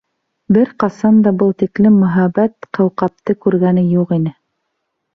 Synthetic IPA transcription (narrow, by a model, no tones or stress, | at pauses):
bɘɾqɑsɑnd̪ɑbɤlˠt̪iklɘmːɵ̆ɦæβæt̪qɤ̆wqɑp̚t̪ɤkʉɾɡænɘjuqinɘ